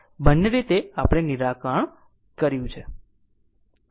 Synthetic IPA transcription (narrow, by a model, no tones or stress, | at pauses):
bənːeɾit̪eapɽ̃eniɾakəɳ | kəɾjũt͡ʃʰe